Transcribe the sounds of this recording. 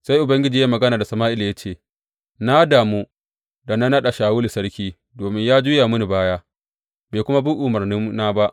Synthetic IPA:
sa˦jʔʊ˨bɐ˦ŋɡʲɪ˦d͡ʒiː˨ja˦mɐ˨ɡɐ˦naː˨da˨sɐ˨maː˦ʔɪ˦la˨ja˦t͡ʃeː˦˨ | na˦daː˨muː˦ | da˨na˦nɐ˦ɗa˨ʃaː˨wʊ˦li˨sɐ˦rkʲiː˦ | doː˨mɪ˦ɲjaː˦d͡ʒʊː˦jaː˨mʊ˦ni˨baː˦jaː˦ | beː˨kʷʊ˦ma˦bu˦ʔʊ˨mɐ˨rnɪ˦mnaː˦ba˦ʔ

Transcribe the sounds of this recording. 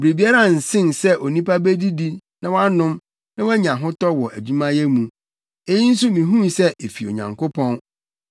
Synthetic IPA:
bɾe˨bi˨˦a˦ɾa˦˨n̩˨sɪ̃˦nsɛ˦ʔɔ˨nĩ˦pa˦be˦di˦di˦nã˦wa˦nʊ̃˦m | nã˦wɔ˦ɲã˨ɦʊ̃˦tɔ˦wɔ˨ʔæ˨d͡ʑu˦mã˦jɛ˦mũ˨ | e˦ji˦n̩˦s̬u˦mĩ˨ɦũ˦nsɛ˦ʔe˨fi˨o̰˨ɲã̰˨ŋko˦pʰɔ̃˦n

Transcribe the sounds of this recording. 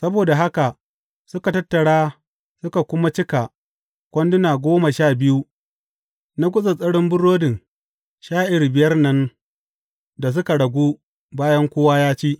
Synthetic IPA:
sɐ˦boː˨da˨ɦa˦ka˨ | sʊ˦ka˨tɐ˦tːɐ˨ɽaː˦ | sʊ˦ka˨kʷʊ˦ma˦t͡ʃɪ˦ka˨ | kʷɔ˦ndʊ˦naː˨ɡʷoː˦ma˨ʃaː˦˨bɪ˦ju˦ | na˦ɡ̬ʷʊ˦sʼɐ˨sʼɐ˦ɽʊ˦mbʊ˦ɽːoː˦dɪ˨ŋ | ʃaː˦ʔɪ˨ɾbɪ˨jɐ˦rnɐ˦n | da˨s̬ʊ˦ka˨ɽɐ˨ɡʷuː˦ | baː˦jɐ˦ŋkʷoː˦waː˦jaː˦t͡ʃiː˦ʔ

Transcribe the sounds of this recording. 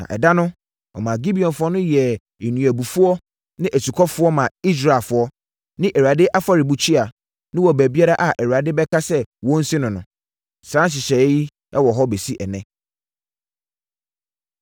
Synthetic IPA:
nã̰˨ʔɛ̰˨da˦nʊ̃˦ | ɔ˨mã˨ɡi˦bi˨ɔ̃˨nfʊ˦ɔ˦nʊ̃˦jɛ˨ | e˨nũ˨æ˨bu˨fu˦ɔ˦ | nɪ̃˦ʔæ˨su˨kʰɔ˦fʊ˦ɔ˦mã˨i˦s̬ɾa˨fʊ˨ɔ˦ | nɪ̃˦ʔɛ˨ɥa˨dɪ˦ʔa˦fa˨ɾi˨bu˨t͡ɕʰᶣi˦a˨ | nɪ̃˦wɔ˨bæ˨bi˦a˦ɾa˦ʔa˨ʔɛ˨ɥu˨a˨dɪ˦bɛ˦kʰa˦sɛ˦wɔ̃˦n̩˦sɪ˦nʊ̃˨nʊ̰̃˨ | sɾã˦ɕ̬ɪ˨ɕɛ˨˦ji˦ | ɛ˦wɔ˨ɦɔ˦be˨si˦ʔɛ˨nɛ̃˦

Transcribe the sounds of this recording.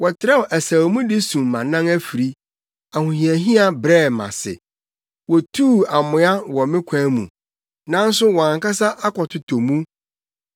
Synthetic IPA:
wɔ˨tʰɪ˨ɾɛ˦wɔ˨ʔæ˨sa˨wmũ˦dɪ˦sũ˨mːã˨nã˦ŋæ˦fi˨ɾi˦ | a˨hʊ̃˨ɦĩ˨æ˨ɦĩ˦a˨bɾɛ˦˨mã̰˨sɪ̰˨ | wɔ˨tʰuː˦˨a˨mʊ̃˨˦a˦wɔ˨mɪ̃˦kʷʰã˨˦mṵ̃˨ | nã˦n̩˦sʊ˦wɔ̃˨ã˨ŋka˦sa˦ʔa˦kʰɔ˨tʰʊ˨tʰɔ˨mũ˦

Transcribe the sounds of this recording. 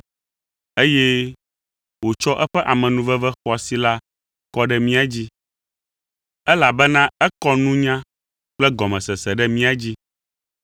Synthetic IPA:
e˦jɛ˦ | wo˨t͡ʃɔ˦ʔɛ˦ɸɛ˦ʔa˨mɛ̃˨nũ˦vɛ˦vɛ˦xɔ˦a˨si˨la˦ | kɔ˦ɖɛ˦mĩ˦a˨d͡ʑi˦ | ɛ˦la˨bɛ˦nã˦ɛ˦kɔ˦nũ˦ɲã˦ | k͡plɛ˦ɡɔ˨mɛ̃˨sɛ˨sɛ˨ɖɛ˦mĩ˦a˨d͡ʑi˦

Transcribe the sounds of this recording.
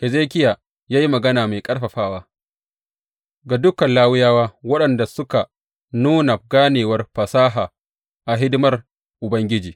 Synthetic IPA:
ʔɛ˨zeː˦kʲɪ˦jaː˨ | jaː˦ji˦mɐ˨ɡɐ˦naː˨ma˨jkʼɐ˦ɽɸɐ˨ɸaː˦waː˦ | ɡa˨dʊ˦kɐ˨nlaː˦wʊ˦jaː˦waː˦wɐ˦ɗɐ˨nda˨sʊ˦ka˨ | nuː˦na˨ɡaː˦neː˨wɐ˦rɸɐ˨saː˦ɦaː˨ | ʔa˨ɦɪ˦dɪ˦mɐ˦r | ʔʊ˨bɐ˦ŋɡʲɪ˦d͡ʒiː˨

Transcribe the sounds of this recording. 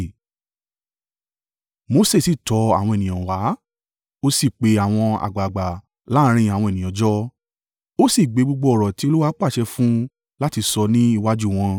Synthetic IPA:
mo˧˦se˦˨si˨tɔ˨˧a̰˨wɔ̃˧e˨nĩ˨ɔ̃˨wa˨˦ | o˦si˦˨k͡pe˨˧˦a˨w̃ɔ̃˧a̰˨ɡ͡ba˨ɡ͡ba˨ | la˦ɾ̃ĩ˧˨a˨w̃ɔ̃˧e˨nĩ˨ɔ̃˨˦d͡ʒɔ˦ | o˦si˦˨ɡ͡be˨˧˦ɡ͡bo˧ɡ͡bo˧ɔ˨ɾɔ˨ti˨˦o˧˦lu˦wa˦k͡pa˦˨ʃɛ˧fũ˦ | la˦ti˧sɔ˧nĩ˦i˦˧wa˦d͡ʒu˦˨w̃ɔ̃˧

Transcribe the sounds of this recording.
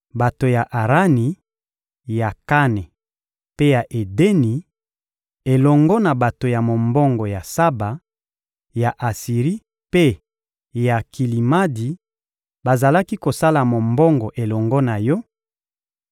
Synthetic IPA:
ba˨to˨ja˨ʔa˨ʁa˦ni˨ | ja˨ka˦ne˨ | pe˦ja˨ʔe˨de˦ni˨ | e˨lɔ˨ŋɡɔ˦na˨ba˨to˨ja˨mo˨mbɔ˦ŋɡɔ˨ja˨sa˦ba˨ | ja˨ʔa˨si˨ʁi˦ | pe˦ | ja˨ki˨li˨ma˦di˨ | ba˨za˨la˦ki˦ko˨sa˦la˨mo˨mbɔ˦ŋɡɔ˨ʔe˨lɔ˨ŋɡɔ˦na˨jɔ˦

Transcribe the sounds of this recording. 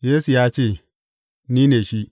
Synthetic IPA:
je˦su˨ja˦t͡ʃe˦˨ | ni˦ne˨ʃi˦

